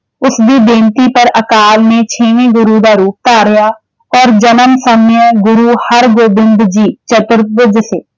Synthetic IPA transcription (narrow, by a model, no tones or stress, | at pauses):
ʊsbʱibẽːnt̪ipɐɾɐkaːlmẽt͡ʃʰeːʋẽɡʊɾud̪aɾuːp̚t̪aːɾɐjaː | ɔːɾd͡ʒɐnəmsəmjəɡʊɾuhɐɾɡoːbɪ̃nd̪ʱd͡ʒiːt͡ʃət̪ʊɾbʊd̪seː